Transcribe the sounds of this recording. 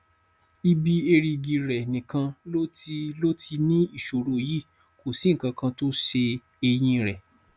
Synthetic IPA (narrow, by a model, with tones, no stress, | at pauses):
i˧bi˧e˧ɾi˧ɡi˧ɾɛ˨nĩ˨kã˧lo˦ti˧lo˦ti˧nĩ˦i˦˨ʃo˨ɾo˦˨ji˦˨ | ko˨si˨˦ŋ̩˨kã˧kã˧to˦ʃe˧ | e˧j̃ĩ˧ɾɛ˨